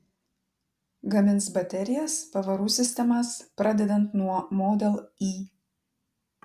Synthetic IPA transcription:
ɡɐmʲɪnˑsbɐt̪ʲɛɾʲɪjɛspɐʋɐɾuːsʲɪsʲt̪ʲɛmɐspɾɐd̪ʲɛd̪ʲɛnt̪nuɔmoːd̪ʲɛlˠiː

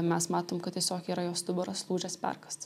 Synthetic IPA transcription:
mʲɛsmɑːt̪oːmkɐt̪t̪ʲiɛsʲoːkiːɾɐjoːst̪ʊbɛɾoːslˠuːd͡ʒʲɛspʲɛ̰ɾkɐstt̪

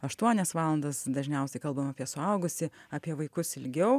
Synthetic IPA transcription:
ɐʃt̪uɔnʲɛsʋɑːlˠɐnd̪ɐsd̪ɐʒʲnʲɛʊsʲɛɪkɐlˠbɐmɐːpʲiɛsʊɐʊɡʊsʲɪɐːpʲiɛʋɐɪkʊsɪlʲɡʲɛʊ

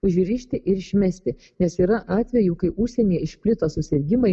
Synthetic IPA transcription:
ʊʒʲɾʲiːʃʲt̪ʲɪʔɪɾɪʃʲmʲɛsʲt̪ʲɪ | nʲɛsiːɾɐʔɑːt̪ʲʋʲɛjuːkɐɪʔʊʃʲsʲɛnʲiɛɪʃʲpʲlʲɪt̪oːsʊsʲɪɾʲɡʲɪmɐɪ

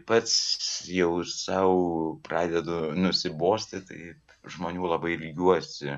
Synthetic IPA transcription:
pɐt̪sjɛʊsɐʊprɑːd̪ʲɛd̪ʊnʊsʲɪboːsʲt̪ʲɪt̪ɐ̰ɪp | ʒmoːnʲuːlˠɐbɐɪlʲɡʲuɔsʲɪ

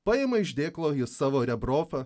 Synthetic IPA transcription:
pɐjemɐɪʒʲd̪ʲeːklˠoːɪsɑːʋoːɾʲɛbɾoːfɐ

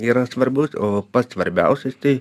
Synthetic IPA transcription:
iːɾɐsʋɐɾʲbʲusoːpɐt̪sʋɐɾʲbʲɛ̰ʊsʲɛst̪ɐɪ

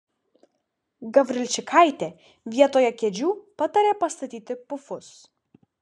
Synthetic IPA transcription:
ɡɐbʲɾʲɪlʲt͡ʃʲɪkʰaɪt̪ʲeː | ʋʲiɛt̪oːjɛkʲɛd͡ʒʲuːpɐt̪ɐɾʲeːpɐst̪ɐt̪ʲiːt̪ʲɪpʊfʊs

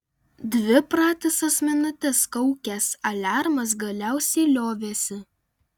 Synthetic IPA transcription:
d̪ʲʋʲɪpɾɑːt̪ʲɪsɐsmʲɛnʊt̪ʲɛskɐʊkʲɛsɐlʲæɾmɐs̬ɡɐlʲæˑʊsʲɛɪlʲoːʋʲeːsʲɪ

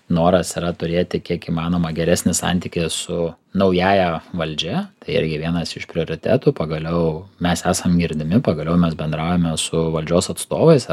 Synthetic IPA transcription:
noːɾɐsɪɾɐt̪ʊɾʲeːt̪ʲɪkʲiɛkiːmɑːnoːmɐɡʲɛɾʲæsʲnʲɪsɑ̰nʲt̪ʲiːkʲɪsʊ | nɐʊjæːjɛʋɐlʲd͡ʒʲɛt̪ɐɪɪ̰ɾʲɡʲɪʋʲiɛnɐsɪʃpʲɾʲɪoːɾʲɪt̪ʲæ̰ːt̪uːpɐɡɐlʲɛʊmʲɛsæːsɐmɡʲɪɾʲd̪ʲɪmʲɪpɐɡɐlʲɛʊmʲɛsbʲɛnd̪ɾɑˑʊjɛmʲɛsʊʋɐlʲd͡ʒʲoːsɐt̪st̪oːʋɐɪs

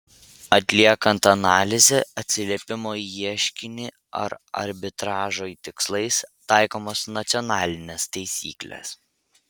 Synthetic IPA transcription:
ɐt̪ʲlʲiɛkɐnt̪ɐnɑːlʲɪzʲeɐt̪ʲsʲɪlʲiɛpʲɪmoːiiɛʃʲkʲɪnʲɪ | ɐ̰ɾɐ̰ɾʲbʲɪt̪ɾɑːʒoːit̪ʲɪkslˠɐɪst̪ɑˑɪkoːmoːsnɐt̪sʲɔnɑːlʲɪnʲest̪ɐɪsʲḭːklʲḛs

